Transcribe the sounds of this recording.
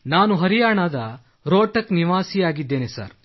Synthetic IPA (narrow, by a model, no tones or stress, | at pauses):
naːnuɦɐɾijaːɳaːd̪ɐ | ɾoːʈɐkniʋaːsijaːɡid̪ːe̞ːnesa̰ːɾ